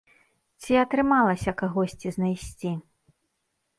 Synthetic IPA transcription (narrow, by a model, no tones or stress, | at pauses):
t͡sʲiɐt̪ɾɨmalˠɐsʲɐkaɣɔsʲt͡sʲiznajsʲt͡sʲi